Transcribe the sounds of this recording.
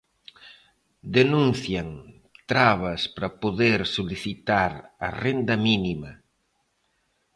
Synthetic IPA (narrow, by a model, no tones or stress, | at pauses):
d̪enũnθjaŋ | t̪ɾaβɐspɾɐpoðeɾsoliθit̪aɾɐ̰rend̪ɐminimɐ